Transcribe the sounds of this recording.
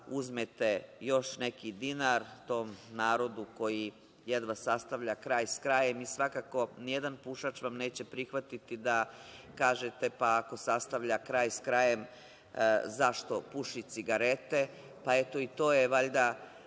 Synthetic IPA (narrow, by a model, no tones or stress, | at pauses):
uzmet̪ejo̞ʃne̞kid̪inaɾt̪o̞ːmnaːɾo̞d̪uko̞ji | jed̪ʋasːast̪aʋʎakɾaːjskɾaje̞misʋakaːko̞nijed̪anpuʃat͡ʃʋamne̞ːt͡ɕe̞pɾixʋat̪it̪id̪akaːʒet̪e̞paːko̞sast̪aʋʎakɾaːjskɾaje̞m | zaʃt̪o̞puʃit̪siɡaɾe̞t̪e̞ | paet̪o̞it̪o̞ːjeʋaʎd̪a